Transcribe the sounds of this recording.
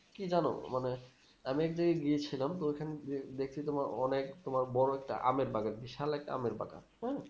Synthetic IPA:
kid͡ʑano̰mane | amiɛk̚d͡ʑaɡeɡiet͡ɕʰilamt̪oekʰaneed̪ekʰt͡ɕʰit̪omaɾɔ̰nekt̪omaɾbɔɽoɛk̚ʈa̰ʔa̰meɾbaɡaɾbiʃalɛk̚ʈa̰a̰meɾba̰ɡa̰ɾ

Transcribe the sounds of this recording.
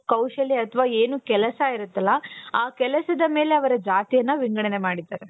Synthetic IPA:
kɐwʃɐliɐt̪ʰɐʋaːe̞ːnukɛlɐsɐiɾut̪ːɐlːɐaːkɛlɐsɐd̪ɐme̞ːleɐʋɐɾɐd͡ʒaːt̪ijɐnːɐʋiŋɡɐɽɐne̞maːɽid̪aːɾe

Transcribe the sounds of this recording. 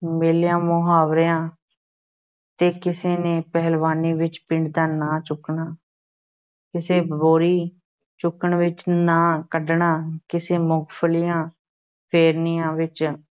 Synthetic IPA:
meːljãːmoɦaːʋɾeãː | t̪eːkɪseːneːpɛɦəlʋaːniːʋɪt͡ʃpɪɳɖd̪aːnaːt͡ʃʊkɳaː | kɪseːboːɾiː | t͡ʃʊkəɳʋɪt͡ʃnãːkəɖɳaːkɪseːmʊɡpʰəlɪjãː | pʰeːɾnijãːʋɪt͡ʃ

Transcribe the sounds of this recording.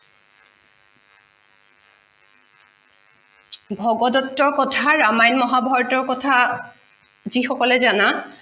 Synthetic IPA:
bʱɔɡɔdɔtːɔɹkɔtʰaɹamajnmɔɦabʱɔɹtɔɹkɔtʰa | zixɔkɔlɛzana

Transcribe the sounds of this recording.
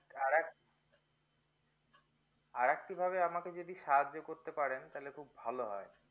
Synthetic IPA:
aɾk | aɾɛk̚ʈibʱabeamaked͡ʑod̪iʃaɦad͡ʑːokoɾt̪epaɾent̪alekʰubbʱaloɦɔe

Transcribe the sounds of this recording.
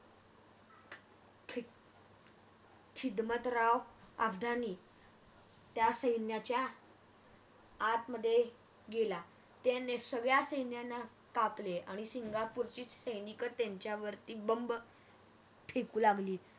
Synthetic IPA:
kʰ | kʰid̪mət̪ɾaʋa̰bd̪ʱaniː | t̪jasəjnjat͡ɕja | t̪məd̪ʱːje | ɡela | t̪enesəɡɭjasəjnjanːa | kapleʔaɽ̃isiŋɡapuɾt͡ɕiːsəjnikət̪ːjaɲt͡ɕjaʋəɾt̪iːbəmb | pʰekuːlaɡliː

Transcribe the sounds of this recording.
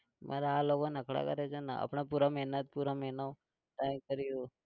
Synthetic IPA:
mʔa̰ɾaːlokonəkʰɽa̰kəɾet͡ʃʰena̰a̰pɳapuɾamɛɦnət̪̚puɾamɛɦnaʋ | ʈajkəɾijũ

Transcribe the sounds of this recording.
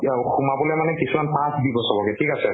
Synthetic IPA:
xumabɔlɛjmanɛkisumanpãsbibɔsɔlɔɡɛtʰikasɛ

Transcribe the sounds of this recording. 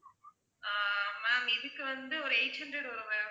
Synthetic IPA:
aːmaːmɪðɯkːɯʋɐnd̪ɯɔɾɯɛɪt͡ʃɐnɖɐɽɔɾɯʋeː

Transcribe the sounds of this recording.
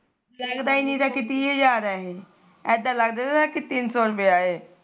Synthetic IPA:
ləɡd̪aːinĩːt̪aːkɪt̪iːeːd͡ʒaːɾɛːɦeː | ɛːd̪ãːləɡd̪aːakɪt̪ɪnsɔːɾəpeaːeː

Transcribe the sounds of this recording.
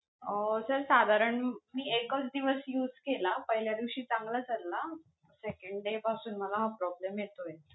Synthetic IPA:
əsəɾsad̪ʱaɾəɳmiːekət͡sd̪iʋəsjuːd͡zkelapəɦiljad̪iʋɕiːt͡sãŋɡlad͡zalːa | sekəɳɖɖepasuːnməlaɦapɾɔblemjet̪oje

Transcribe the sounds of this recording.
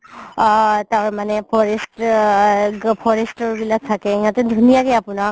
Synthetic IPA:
t̪aɹmanɛpʰɔɹest | pʰɔɹestɔɹbilak̚t̪ʰakɛĩɦãt̪ɛd̪ʱunijakɛapuna

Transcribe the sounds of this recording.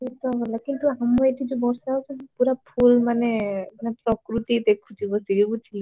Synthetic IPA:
et̪ɔɦɔlakint̪uamɔeʈid͡ʒubɔɾsaɦot͡ʃʰepuɾapʰulmanemanepɾɔkɾut̪id̪ekʰud͡ʒibɔsiɡibɔt͡ʃʰili

